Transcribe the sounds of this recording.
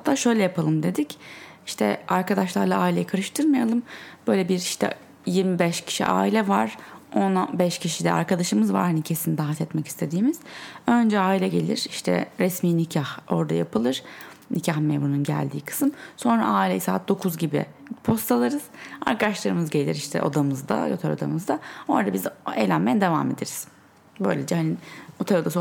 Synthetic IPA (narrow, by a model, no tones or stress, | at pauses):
hat̪ʰːaːʃø̞jlʲɛjapʰalˠɯmd̪e̞d̪ic | iʃt̪ʰɛ̰aɾkad̪aʃlˠaɾlˠaaːilʲejikʰaɾɯʃt̪ʰɯɾmajalˠɯmb̥øjlʲɛbiɾiʃt̪ʰɛ̰ | jiɾmibɛʃcʰi̥ʃḭʔa̰ːilʲɛvaɾ̥o̞nabɛʃcʰiʃid̪ɛ̰a̰ɾkʰad̪aʃɯmɯzva̰ɾhanicʰesinid̪aɦat̪ʰɛt̪mɛci̥st̪ʰe̞d̪iːmiz̥ø̞nd͡ʒɛaːilʲɛɟelʲiɾ̥iʃt̪ʰɛ̰ɾɛsmiːnicʰaho̞ɾd̪ajapʰɯlˠɯɾ̥ | nicʰaxmevmɾununɟæ̰lʲd̪ḭːkʰɯ̥sɯmso̞nɾa̰ʔaːilʲejisaːt̪̚d̪o̞kʰuzɟibḭ | pʰo̞st̪ʰalˠaɾɯz̥a̰ɾkad̪aʃlˠaɾɯmɯzɟe̞lʲḭɾiʃt̪ʰɛ̰ʔo̞̰d̪amɯzd̪a̰jøt̪ʰeɾo̞̰d̪amɯzd̪ao̞̰ɾd̪abizḛːlʲænmːejɛd̪e̞vame̞d̪e̞ɾiz̥ | bø̞jlʲed͡ʒɛhaniot̪ʰaɾod̪as